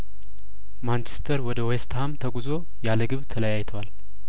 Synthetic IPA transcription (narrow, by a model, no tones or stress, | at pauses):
mant͡ʃʰest̪ʰəɾwɔd̪əwest̪ʰamt̪ʰəɡuzo̞ | jaləɡɨβt̪ʰələjajt̪ʰəwal